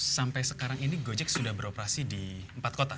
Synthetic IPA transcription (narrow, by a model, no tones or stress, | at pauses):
sampajsəkaɾaŋiniɡod͡ʒɛk̚sudahbəɾopəɾasidiəmpat̪̚kot̪a